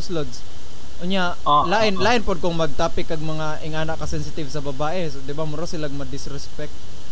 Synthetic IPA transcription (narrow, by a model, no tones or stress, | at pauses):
ʊslod̪s | ʔʊɲɲa | laʔɪnlaːʔɪnpod̪̚kʊŋmɐɡ̚t̪aːpɪkːɐɡ̚mɐŋaʔɪŋʔaːnɐʔkːɐsɛnsɪt̪ɪvsɐbɐbaːʔɛsd̪ɪbamʊɾasɪlaɡ̚mɐd̪ɪsɾɛspɛk̚t̪̚